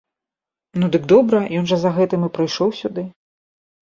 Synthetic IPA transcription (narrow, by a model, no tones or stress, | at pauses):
nud̪ɨɡd̪ɔbɾɐjɔnʐɐzɐɣɛt̪ɨmɨpɾɨjʂɔwsʲud̪ɨ